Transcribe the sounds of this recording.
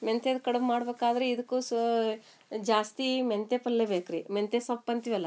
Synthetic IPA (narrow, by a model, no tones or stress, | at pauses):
ment̪ed̪kɐɽeʋmaːɽbeːkaːd̪ɐɾeid̪ɐkːu | d͡ʒaːst̪iment̪epɐlːebeːkɾiment̪esɐpːɐnt̪iʋɐlːɐ